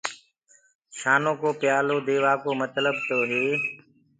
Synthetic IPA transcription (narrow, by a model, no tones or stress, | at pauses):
ʃaːnõːkoːpɪjaːloːd̪eːʋaːkoːmət̪ləb̚t̪oːɦeː